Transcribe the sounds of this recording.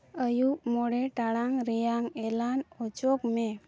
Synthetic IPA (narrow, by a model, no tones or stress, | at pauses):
əjupmɔɽeʈaɭaŋɾɛjaŋelanɔt͡ɕɔkme